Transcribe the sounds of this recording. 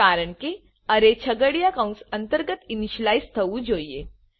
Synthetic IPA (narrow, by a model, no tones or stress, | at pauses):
aːɾəɳ̃ke | ɐɾet͡ɕʰɐɡəɽijakãũnsɐnt̪əɾɡət̪iniɕlaːjst̪ʰɐʋud͡ʒoːje